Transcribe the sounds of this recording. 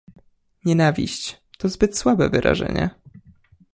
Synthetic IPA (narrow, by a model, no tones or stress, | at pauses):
ɲɛnavʲiɕt͡ɕ | t̪ɔzbɘt̪swabɛvɘɾʔa̰ʐɛ̰ɲɛ̰